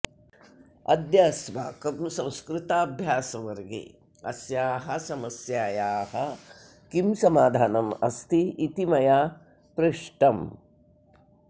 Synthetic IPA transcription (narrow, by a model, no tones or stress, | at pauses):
ɐ̰d̪jasʋa̰ːkɐmsɐ̃w̃skɾɪt̪aːbʱjaːsɐʋɐɾɡḛ | ɐsjaːɦɐsɐmɐsjaːjaːhɐ | kimsɐmaːd̪ʱaːnɐmɐ̰st̪iit̪imɐjaː | pɾɪʂʈɐm